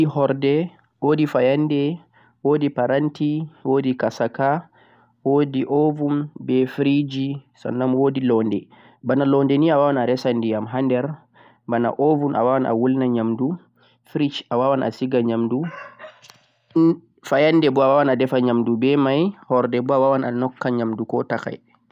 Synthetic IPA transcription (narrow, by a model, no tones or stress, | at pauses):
ihɔɾdɛ | wodifajandɛ | wodipaɾantiwodikasaka | wodiʔovumbɛfɾid͡ʒisɔ̰nːamwodilɔndɛ | banalɔndɛniawawanaɾɛsandijamɦandɛɾ | bana̰ʔovunʔa̰wawanʔa̰wulnaɲamdu | fɾit͡ʃawawanʔa̰siɡaɲamdu | fajandɛbɔawawanadɛfaɲamdubɛmajhɔɾdɛbɔawawana̰nɔkːaɲamdukɔtaka̰j